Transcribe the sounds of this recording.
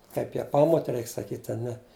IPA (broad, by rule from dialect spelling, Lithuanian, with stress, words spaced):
ˈkɐɪp jæː ˈpɑːmoːtʲɛ ˈrʲɛɪk sɐˈkʲiːtʲ ɐ ˈnʲɛ